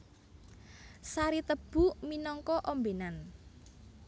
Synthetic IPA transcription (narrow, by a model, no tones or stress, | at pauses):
saɾit̪əb̥ṳminɔŋkɔʔɔmbenan